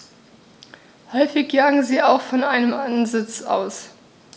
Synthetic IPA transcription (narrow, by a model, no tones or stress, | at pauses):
hɔʏfɪçjaːɡŋ̩ziːaʊxfɔnʔaɪnəmʔanzɪt͡sa̰ʊs